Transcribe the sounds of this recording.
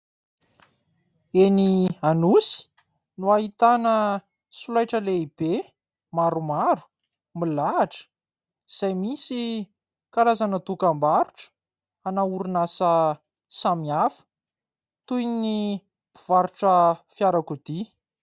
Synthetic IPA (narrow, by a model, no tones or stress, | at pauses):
enianusi̥ | nuaɦit̪anə | sulajʈ͡ʂəleib̥e | maɾumaɾu̥ | milaːʈ͡ʂə̥ | z̥ajmisi | kalazanət̪ukambaɾuʈ͡ʂə̥ | anauɾunasə | samiafə̥ | t̪ujnini | b̥iv̥aɾuʈ͡ʂəfjaɾakud̪i